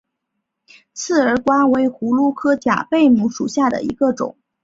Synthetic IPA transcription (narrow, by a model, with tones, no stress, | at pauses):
t͡sʰɹ̩˥˩ə˞˧˥kwa˥we˧˥ɪxu˧˥lu˥˩kʰɤ˥t͡ɕja̰˨˩pe˥˩ɪmu˧˥ʂu˨˩ɕja˥˩d̪ə̰˩ḭ˧˥ɡə˧ʈ͡ʂʊ̰˨˩˦ŋ